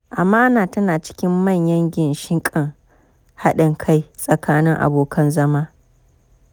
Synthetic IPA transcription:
ʔa˨maː˦naː˨tɐ˦naː˨t͡ʃɪ̥˦kʲɪ˦mmɐ˦˨ɲjɐ˦ŋɡʲɪ˨nʃɪ˦ŋkʼɪ˦˨ŋ | ha˦ɗɪ˨ŋkʰa˦jsʼɐ˨kʰaː˦nɪ˦ŋʔa̰˨boː˨kʰɐ˦nzɐ˦maː˦

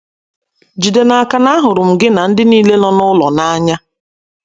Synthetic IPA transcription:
d͡ʒi˨de˨na˨a˨ka˨na˦ɦʊ˨ɾʊ˨m̩˨ɡɪ˦na˨n̩˦dɪ˦niː˦le˦lɔ˦nʊ˦lɔ˨na˦ɲa˦

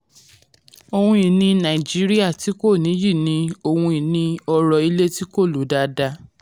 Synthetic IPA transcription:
o˨hũ˧i˨nĩ˧nã˨d͡ʒi˨˦ɾi˦a˦˨ti˨˦ko˦˨nĩ˨˦ji˦˨nĩ˧˦o˧˨hũ˧i˨nĩ˧ɔ˧ɾɔ˧i˧le˦ti˦ko˦˨lo˨˦da˧da˧

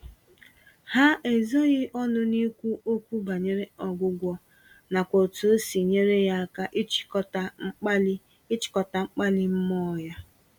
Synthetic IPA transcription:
ha˦ʔe˨zo˦ɣɪ˦ʔɔ˦nʊ˦ni˦kʷu˦ʔo˦kʷu˦ba˨ɲe˦ɾe˦ɔ˨ɡʷʊ˦ɡʷɔ˦ | na˨kʷo˨tu˨˦si˨ɲe˦ɾe˦ja˦a˦ka˦ʔɪ˦t͡ʃkɔ˦ta˦ŋ͡m̩˦k͡pa˦ | ɪ˦t͡ʃɪ̥˨kɔ˨ta˨ŋ͡m̩˦k͡pa˦lɪ˦m̩˦mɔ˦ja˦

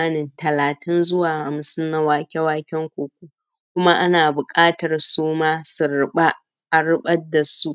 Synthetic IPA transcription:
a˦nɪ˨ntɐ˨laː˨tɪ˦nzʊ˦waː˨ha˨msʊ˦nna˦waː˨kʲɛ˦waː˦kʲɛ˦ŋkʷoː˨kʷuː˦ | kʷʊ˦ma˦ʔa˦naː˨bʊ˨kʼaː˦tɐ˨rsuː˦maː˦sʊ˨ɾɪ˦ɓa˦ | ʔa˨ɽɪ˦ɓɐ˦dːa˨su˦ʔ

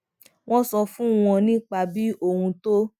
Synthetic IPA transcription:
w̃ɔ̃˦sɔ˧fũ˦w̃ɔ̃˧nĩ˦k͡pa˧bi˦o˦˨hũ˧to˦

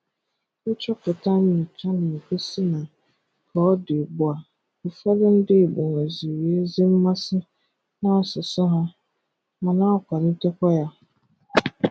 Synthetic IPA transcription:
ɪ˦t͡ʃɔ˦kʊ˨tʰã˦nɪ̃˨t͡ʃʰa˦ñ̩˨kʰe˦si˦nã˨ | kʰɔ˦ɔ˦dɪ˨bʊ˨a˨ | u˨fa˦lɪ˦n̩˦dɪ˦˨bɔ˨ŋ˨a˨zi˨we˨˦e˦zɪ˦m̩˦mã˦sɪ˦ | nã˦ɔ˨sɪ˨sʊ˦ɦã˦ | mã˨nã˦ɔ˦kʷʰa˨ɾɪ˨˦tɛ˦kɔ˦ja˦

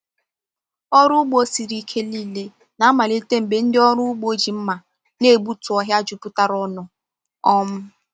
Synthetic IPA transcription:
ɔ˦ɾʊ˦ɡ͡bo˦si˨ɾi˦kʰe˦li˦˨le˦ | na˨a˦ma˨li˦te˦m̩˨be˨n̩˦dɪ˦ɔ˦ɾʊ˦ɡ͡bo˦d͡ʒi˨m̩˦ma˨ | ne˦˨bu˦tʊ˨ɔ˦ɦja˦a˦d͡ʒu˨pu˦ta˦ɾɔ˦nʊ˨ | ɔ˦m̩˦

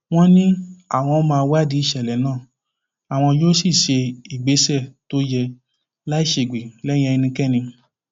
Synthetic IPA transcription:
w̃ɔ̃˦nĩ˦a˦˨w̃ɔ̃˧˦mãː˧wa˦˨di˨˦i˦˨ʃɛ˨lɛ˨nãː˦˨ | a˨w̃ɔ̃˧d͡ʒo˦si˦˨ʃe˧i˨ɡ͡be˨˦sɛ˦˨to˦jɛ˧ | la˦i˦˨ʃe˨ɡ͡be˨lɛ˦j̃ɛ̃˧i˧nĩ˧kɛ˦˨nĩ˧

